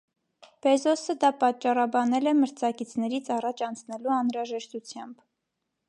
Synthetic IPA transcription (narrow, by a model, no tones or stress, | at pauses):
b̥ɛzɔsəd̪ɑpɑt͡ʃːɑrɑbɑnɛlɛməɾt͡sʰɑkit͡sʰnɛɾit͡sʰɑrɑt͡ʃʰɑnt͡sʰnɛluɑnɾɑʒɛʃt̪ut͡sʰjɑmb